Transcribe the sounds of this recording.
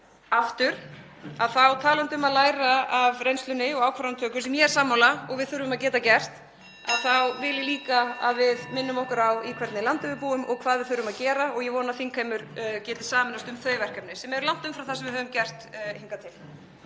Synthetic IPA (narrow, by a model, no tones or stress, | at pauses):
aft̪ʏɾ̥ | aðθawt̪ʰaːlant̪ʏmaðlaːjɾaavrejnst̪lʏnɪɔɣaːwkʰvaɾant̪ʰœːkʏsɛmjɛɛɾsaːmːawlaɔɣvɪðθʏɾvʏmaðcɛːt̪acɛr̥t̪ | a̰ðθawvɪljɪliːkaa̰ðvɪðmɪnːʏmɔhkʏɾawikʰvɛɾt̪nɪlant̪ɪvʏɾpuːʏmɔɣkʰv̥aːðvɪðθʏɾʏmaðcɛːɾaɔɣjɛvɔːnaθiŋkʰajmʏɾcɛːt̪ɪ̥saːmɪnast̪ʏmθœːɥjvɛr̥kɛpnɪsɛmɛɾlawn̥t̪ʏmfɾawθasɛmvɪðɦœːvʏmcɛr̥t̪hiŋkat̪ʰɪl